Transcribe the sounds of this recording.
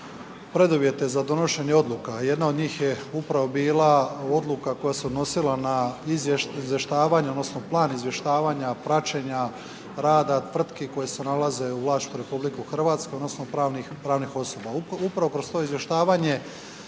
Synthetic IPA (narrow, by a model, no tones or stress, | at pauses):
pɾe̞d̪uʋje̞t̪e̞zad̪o̞no̞ʃe̞ɲeo̞d̪lˠukajed̪nao̞d̪ɲiːxjeupɾaʋo̞biːlao̞d̪lukako̞jasuod̪no̞silanaizzʋjeʃt̪aːʋaɲeod̪nosno̞plˠaːnizʋje̞ʃt̪aːʋaːɲapɾat͡ʃe̞ɲa | ɾaːd̪at̪ʋr̩t̪keko̞jesenalaze̞uʋlaːst̪t̪uɾe̞publikuxr̩ʋaːt̪skeo̞d̪nosnoɾanipɾaːʋnixo̞so̞baupɾaʋo̞kɾo̞st̪o̞izje̞ʃt̪aːʋaɲe̞